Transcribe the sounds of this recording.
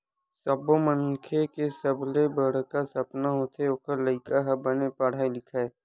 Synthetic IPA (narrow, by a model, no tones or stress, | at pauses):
sɐboməniːkʰekesəblebəɽ̤kasɐpnaɦot̪ʰeokəɾləɪkaɦɐbənepəɽ̤aːelɪkʰae